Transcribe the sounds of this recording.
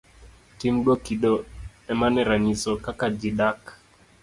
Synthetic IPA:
timɗwɔkiɗɔɛmanɛɾaɲisɔkakad͡ʒiɗak

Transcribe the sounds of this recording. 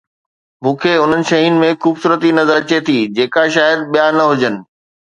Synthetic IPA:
mũːkʰeʊn̤ənɪ̆ʃɐɦiːnɪ̆mẽxuːbsuːɾət̪inɐzəɾɐt͡ɕet̪ʰiːd͡ʑeːkaʃaːjəd̪̚ɓijanɐɦʊd͡ʑənɪ̆

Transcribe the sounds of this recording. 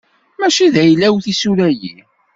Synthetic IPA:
mæʃiðæjlːæwθisuɾæjḭ

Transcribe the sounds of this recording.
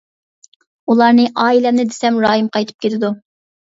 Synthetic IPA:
ulˠɑɾnɨʔɑːilɛnɪd̪esɛmɾɑːjimqʰɑjt̪ʰɨ̥p̚kʲelɪd̪u

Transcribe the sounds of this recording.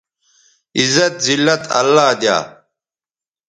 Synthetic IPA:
izɐt̪zilːɐt̪ʰɐ̰lːaːd̪ja̰ː

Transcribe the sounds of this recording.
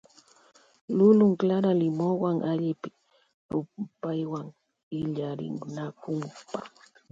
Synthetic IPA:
lʊlʊŋklaɾalɪmowaŋʔaʎɪpɪ | ɾʊpajwaŋ | ɪʎaɾɪ̰nnakʊmpa

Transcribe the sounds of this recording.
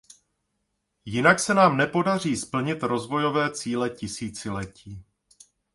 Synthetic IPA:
jɪnaksɛnaːmnɛpo̞dar̝iːspl̩ɲɪt̪ɾo̞zvo̞jo̞vɛːt͡siːlɛcɪsiːt͡sɪlɛciː

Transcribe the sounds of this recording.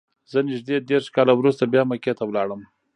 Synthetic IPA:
zənɪʒd̪ed̪eɾʂkɑlawɾust̪abjɑmaket̪awlɑɽəm

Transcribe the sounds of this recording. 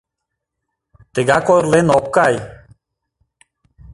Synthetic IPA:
t̪eɡakojɾlenɔkːaj

